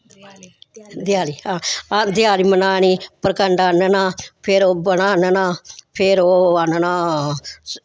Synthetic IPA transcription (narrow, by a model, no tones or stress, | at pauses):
d̪ɪjaːliːɦãːad̪ɪjaːliːmənaːniːpəɾkəɳɖaːnənaːpʰɪɾoːbəɳaːnənaːpʰɪɾoːanənaː